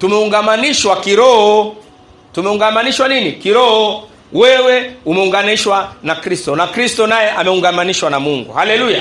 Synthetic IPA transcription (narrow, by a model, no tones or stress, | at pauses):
tumɛuŋɡamaniʃwakiɾɔhɔ | tumɛuŋɡamaniʃwaninikiɾɔhɔ | wɛwɛumɛuŋɡaniʃwanakɾistɔnakɾistɔnajɛʔamɛuŋɡamaniʃwanamuŋɡṵhalɛluja